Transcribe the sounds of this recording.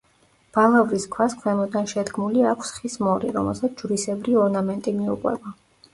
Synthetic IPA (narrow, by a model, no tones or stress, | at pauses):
b̥alavɾiskʰwaskʰwɛmɔd̪anʃɛd̪ɡmuliakʰsχismɔɾiɾɔ̰mɛ̰lˠsat̪sʰd͡ʒɾisɛbɾiɔɾnamɛnt̪ʼimiuqʼwɛ̰ba